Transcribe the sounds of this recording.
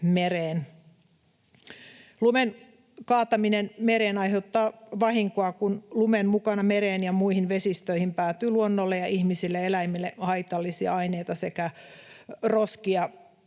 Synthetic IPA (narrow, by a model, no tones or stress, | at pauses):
meɾeːn | lumen | kɑːt̪ɑminenmeɾeːnɑiheut̪ːɑːʋɑhiŋkoɑkunlumemmukɑnɑmeɾeːnjɑmuihinʋesist̪øihimpæːt̪ːˑyːluonːolːejɑʔihmisilːeelæimilːehɑit̪ɑlːisiɑ̰ɑineit̪ɑsekæ | roskiɑ